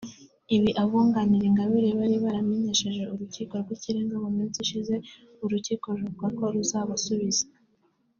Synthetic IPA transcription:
iβiʔaβuːŋɡaniɾeŋɡaβiɾeβaɾiβaɾame̞ɲe̞ʃe̞ʒe̞uɾuciːkoɾɡwiciɾeːŋɡawamiːnt͡siʃize̞ | uɾuciːko̞ɾuβuɡako̞ɾuzaβasuβizḁ

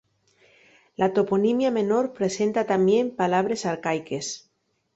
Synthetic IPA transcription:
lat̪oponimjame̞noɾpɾe̞se̞nt̪at̪ambje̞mpalaβ̞ɾe̞saɾkajke̞s

